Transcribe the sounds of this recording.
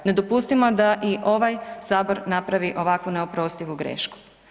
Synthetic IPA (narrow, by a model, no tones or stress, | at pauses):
ne̞d̪o̞pust̪imod̪aʔiʔo̞ʋajsaːbo̞ɾnapɾaʋiʔo̞ʋakʋuneopɾo̞st̪iʋuɡɾḛːʃku̥